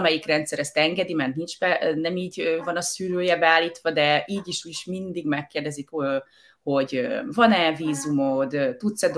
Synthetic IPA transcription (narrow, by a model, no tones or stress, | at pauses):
mɛjikrɛnt̪sɛɾɛst̪ɛŋɡɛd̪imɛrt̪nint͡ʃbɛnɛmiːɟøvɒnɒsyːɾøːjɛbɛaːlːiːt̪ʋɒd̪ɛiːɟiʃjiʃmind̪iɡmɛkːeːrd̪ɛzit̪ho | ho̞ɟøvɒnɛviːzumod̪øt̪ut̪sɛd̪